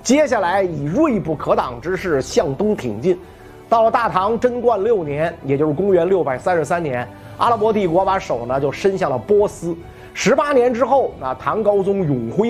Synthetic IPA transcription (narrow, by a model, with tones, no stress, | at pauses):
t͡ɕjɛ˥ɕja˥˩la˧˥ɪi˨˩ɻwe˥˧i˧pu˥˩kʰɤ˧˥t̪ɑ˨˩ŋʈ͡ʂɻ̩˥ʂɻ̩˥˩ɕjɑ˥˩ŋt̪ʊ˥ŋt̪ʰḭ˨˩ŋt͡ɕi˥˩n | t̪ɑ˥˩ʊlə˩t̪a˥˩t̪ʰɑ˧˥ŋʈ͡ʂə˥nkwa˥˧nljo˥˩ʊnjɛ˧˥njɛ˨˩t͡ɕjʂ̩ɻkʊ˥ŋɥɛ˧˥nljo˥˩ʊpa˨˩ɪsa˥nʂɻ̩˧˥sa˥nnjɛ˧˥n | a̰˥lp̬wɔ˧˥t̪i˥˩kwɔ˧˥pa˧˥ʂo˨˩ʊnə˦t͡ɕjo˥˩ʊʂə˥nɕjɑ˥˩ŋlə˩pwɔ˥sɹ̩˥ | ʂɻ̩˧˥pa˥njɛ˧˥nʈ͡ʂɻ̩˥xo˥˩ʊna˧˩t̪ʰɑ˧˥ŋkɑ˥ʊt͡sʊ˥ŋjʊ˨˩ŋxwe˥ɪ